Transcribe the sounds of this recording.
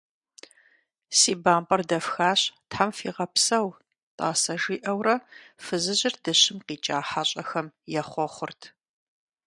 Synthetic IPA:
siːbaːmpʼɐrdɐfxaːɕtħamfḭːʁɐpsɐw | tʼa̰ːsɐʒiːʔɐwrɐfɨzɨʑɪrdɐɕɪmqiːt͡ʃʼaːħaɕʼɐxɐmjɛχʷɔχʷʊrtʰ

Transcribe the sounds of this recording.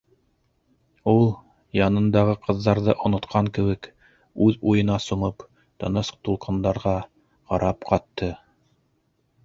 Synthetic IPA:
ulˠ | jɑnɤ̆nd̪ɑʁɤqʰɤ̆ðːɑɾðɤʔŏnŏt̪qʰɑŋkɘ̆βɘk | ʉðujɤ̆nɑsŏɴɤp | t̪ɤ̆nɤst̪ulˠqɤ̆nd̪ɑɾʁɑ | ʁɑɾʔɑpqʰɑt̪ːɤ

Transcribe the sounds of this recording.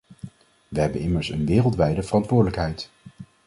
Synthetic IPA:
ʋəɦɛbənɪməɹsə̰nʋɪːrəlˠtʋɛjdəvərɑntʋʊːɹdələkɦɛjt

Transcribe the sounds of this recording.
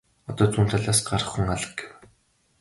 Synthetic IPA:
ɔt̪ɔːt͡sʰuːnt̪ʰaɮaːsɢaɾə̆χuŋaɮə̥̆k̚ɡ̥e̥w

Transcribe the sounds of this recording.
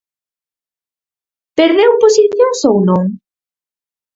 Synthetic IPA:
peɾðewposiθjõŋsownõŋ

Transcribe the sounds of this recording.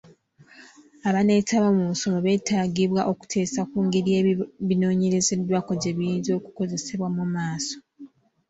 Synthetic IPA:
aβane̞taβamuso̞moβe̞ːtaɡiβwaʔo̞ku̥tʰe̞ːsakuːŋɡeɾie̞βino̞ːɲe̞ɾe̞ze̞dwako̞ɟeβijiːnzo̞ːku̥ko̞ze̞se̞βwamumaːso̞

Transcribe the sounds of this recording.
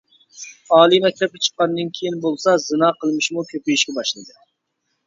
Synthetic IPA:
ɑːlˠimɛk̚ʲt̪ʰɛp̚ʲɛt͡ʃʰə̥qːɑnd̪ɨnkʲʰejinbolˠsɑzɨnɑːqʰəlˠmɪʃmukʲʰøpijiʃkʲɛbɑʃlˠɨd̪ɨ

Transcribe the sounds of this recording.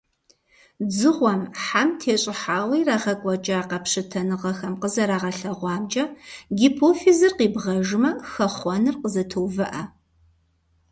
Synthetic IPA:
d͡zɨʁʷɔmħamtʰeːɕʼɪħaːwiːraːʁɐkʷʼɔt͡ʃʼaːqɐpʂɨtʰɐnɨʁɐxɐmqəzɐɾaːʁɐɬɐʁʷɑːmd͡ʒʼɐɡiːpʰoːfizɨrqiːbʁɐʒɪmɐxɐχʷɔnɨrqəzɐtʰoːvɐʔɐ

